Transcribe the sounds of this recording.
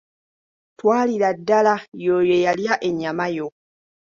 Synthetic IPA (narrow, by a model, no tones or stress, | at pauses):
twaːliɾadːalajojojaljaʔeɲːamajo